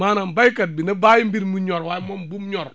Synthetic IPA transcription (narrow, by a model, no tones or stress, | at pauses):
maːnambajkat̚binabaːjimbiɾmuɲɔɾwajmombumɲɔɾ